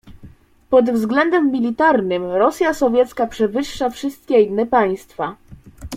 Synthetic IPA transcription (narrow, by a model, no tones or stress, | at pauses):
pɔd̪vzɡlɛnd̪ɛmːʲilʲit̪aɾnɘmɾɔsʲjasɔvʲjɛt̪skapʂɛvɘʂːafʂɘst̪̚kʲɛinːɛpaj̃st̪fa